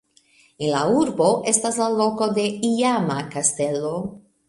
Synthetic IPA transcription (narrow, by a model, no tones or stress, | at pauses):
enlauɾbo̞ʔe̞staslalo̞ko̞d̪e̞iamakaste̞lo̞